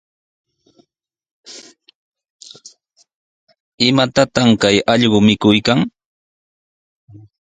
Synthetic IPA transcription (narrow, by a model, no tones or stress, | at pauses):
ɪmat̪at̪amkajɑʎɢomɪkʊjkaŋ